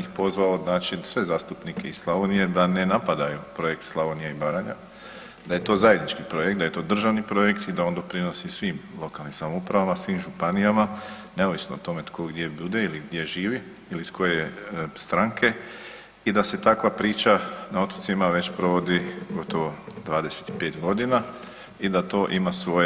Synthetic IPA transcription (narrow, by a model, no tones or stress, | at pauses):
ixpo̞zʋalod̪naːt͡ʃinsʋe̞zaːst̪upnike̞isslˠaʋonije̞d̪ane̞napad̪ajupɾo̞je̞kt̪slˠaʋonijeibaɾaɲa̰ | d̪aje̞t̪o̞ːzajed̪nit͡ʃkipɾo̞jekt̪d̪aje̞t̪o̞ːd̪r̩ʒaʋnipɾo̞je̞kt̪id̪ao̞nd̪o̞pɾino̞sisʋiːmlˠo̞kalnimsamoupɾaʋamasʋiːmʒupanijamaneoʋisnoːt̪o̞met̪ko̞ɡd̪je̞bud̪e̞iliɡd̪je̞ʒiːʋi | iliskʰo̞jest̪ɾaŋkʰe̞ | id̪ase̞t̪akʋapɾiːt͡ʃanao̞t̪ot̪simaʋe̞t͡ɕpɾo̞ʋo̞d̪iɡo̞t̪oʋo̞d̪ʋaːd̪eset̪i̥pe̞ːt̪ɡo̞d̪ina | id̪at̪o̞ːʔimasʋoje